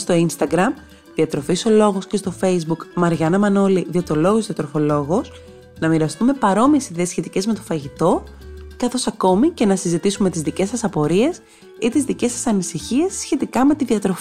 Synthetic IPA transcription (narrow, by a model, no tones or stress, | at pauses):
st̪o̞inst̪ɐɡɾɐm | ðiɐt̪ɾo̞fiso̞lo̞ɣo̞sce̞st̪o̞fe̞jzbukmɐɾʝɐnɐmɐno̞liðiɐt̪olo̞ɣozðiɐt̪ɾofo̞lo̞ɣo̞s | nɐmiɾɐst̪unme̞pɐɾo̞mie̞siðe̞ːsçe̞t̪ice̞zme̞t̪ofɐʝit̪o̞kɐθo̞sɐko̞mice̞nɐsizit̪isume̞t̪izðice̞sɐsɐpo̞ɾie̞s | it̪izðice̞sɐsɐnisiçie̞sːçe̞t̪ikɐme̞t̪iðiɐt̪ɾo̞fi